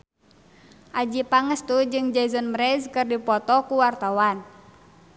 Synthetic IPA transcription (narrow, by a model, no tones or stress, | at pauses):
ʔad͡ʒipaŋəst̪ud͡ʒɨŋd͡ʒazɔnmɾɛzkɨrdipɔt̪ɔkuwart̪awan